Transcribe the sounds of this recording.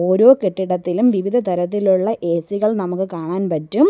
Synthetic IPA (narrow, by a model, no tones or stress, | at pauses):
o̞ːɾo̞ːkeʈːiɽɐt̪ːilumʋiʋid̪ʱɐt̪ɐɾɐt̪̬ːiluɭːɐʔe̞ːsiɣɐɭnɐmukːɨkaːɳaːnpɐtːum